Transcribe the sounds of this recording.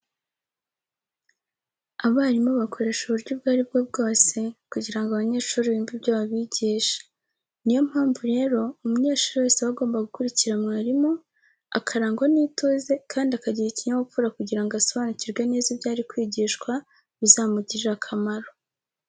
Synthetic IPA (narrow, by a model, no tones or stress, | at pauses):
aβaːɾimo̞βakʰo̞ɾe̞ːʃuβuɾɟubɡaːɾib̚ɡobɡo̞ːse̞kuɟiɾaŋɡaβaɲe̞ːʃuːɾiβiːmbibɟoβaβiɟiːʃḁ | nijo̞mhaːɱvuɾe̞ːɾo̞umuɲe̞ːʃuɾiwe̞ːseβaɡo̞ːmbaɡukuɾiciɾamŋaːɾimo̞ | a̰kʰaɾaːŋɡwaniːtoːze̞kaːndiakaɟiɾiciɲawofuɾakuɟiɾaŋɡasoβaːnuciɾɡweneːzibɟaːɾikwiːɟiːʃkwa | βizaːmuɟiɾakʰamaɾo